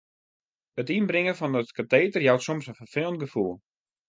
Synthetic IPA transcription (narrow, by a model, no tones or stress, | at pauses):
ətinbrɪŋəfɔndətkateːtərjawtsomsənfərfɪlˠntɡəfulˠ